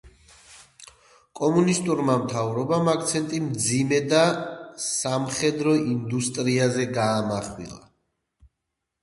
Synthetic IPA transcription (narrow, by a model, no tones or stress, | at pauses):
kʼɔmunist̪ʼuɾmamt̪ʰavɾɔbamak̚ʰt̪sʰɛnt̪ʼimd̪zimɛd̪asamχɛd̪ɾɔind̪ust̪ʼɾiazɛɡaːmaχwḭlˠa̰